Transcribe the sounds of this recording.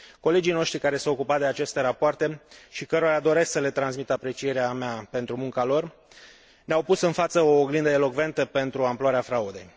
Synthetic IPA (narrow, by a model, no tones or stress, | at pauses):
ko̞le̞d͡ʒijno̞ʃt̪ɾikaɾe̞seaokupat̪̚d̪eat͡ʃe̞st̪e̞ɾapoart̪e̞ʃikəɾoɾad̪o̞ɾe̞sksəle̞t̪ɾansmit̪apɾe̞t͡ʃije̞ɾeameape̞nt̪ɾumuŋkalo̞r | neawpusɨnfat̪səoɡlind̪əelo̞kve̞nt̪əpe̞nt̪ɾuamploaɾeafɾaud̪e̞̰j